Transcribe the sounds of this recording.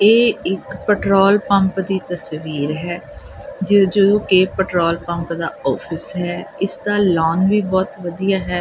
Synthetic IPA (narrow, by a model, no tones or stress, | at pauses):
eːɪkpɛʈɾoːlpə̃mpd̪iːt̪əsʋiːɾɦɛː | d͡ʒɪd͡ʒəd̪õːkeːpɛʈɾoːlpə̃mpd̪aːɔːpʰɪsɦɛːɪsd̪aːlɔːnʋiːbɔːt̪ʋəd̪ijaːɦɛː